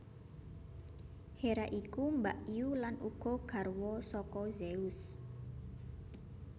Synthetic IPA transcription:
heɾaʔikumbaʔiulanuɡ̥ɔ̤ɡ̥a̤rwɔsɔkɔzeʊs

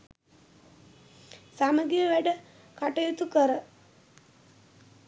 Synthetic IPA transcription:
saːmɐɡijəʋɛɖə | kaʈɐjut̪ukəɾə

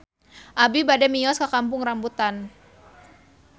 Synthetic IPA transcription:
ʔabibadɛmiɔskakampʊŋrambut̪an

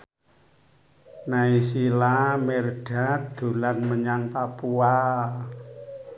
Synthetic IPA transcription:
naisilamerɖ̥a̤d̪̥ṳlanməɲanpapua

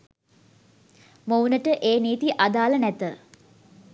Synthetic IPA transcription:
mownəʈəʔeːniːt̪iʔad̪aːlənɛt̪ə

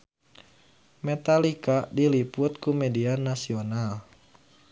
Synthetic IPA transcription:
mɛt̪alikadilipʊt̪̚kumɛdianasional

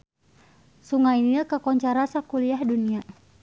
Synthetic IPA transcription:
suŋainəkəkɔɲt͡ʃaɾasakuliahdunia

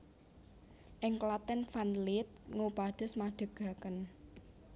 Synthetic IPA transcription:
ʔɪŋklat̪ɛnfanlɪt̪̚ŋopad̪̥ə̤smaɖ̪̥ə̤ɡ̥a̤kən

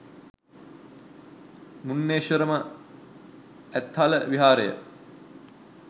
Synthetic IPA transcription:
munːeːʃəɾəmə | æt̪ːhaləʋiɦaːɾəjə̰

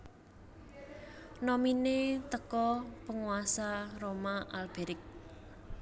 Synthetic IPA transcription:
nɔminet̪əkɔpəŋuwasaromaʔalb̥eɾɪk̚

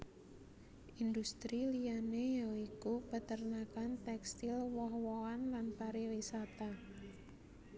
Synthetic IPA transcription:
ʔind̪ust̪ɾilijanejaikupət̪ərnakant̪ɛkst̪ilwɔhwɔanlanpaɾiwisat̪a

